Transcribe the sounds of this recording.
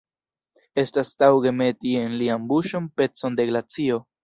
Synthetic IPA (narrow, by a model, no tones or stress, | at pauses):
e̞stastawɡe̞me̞tie̞nliambuʃo̞npe̞t͡so̞nde̞ɡlat͡sio̞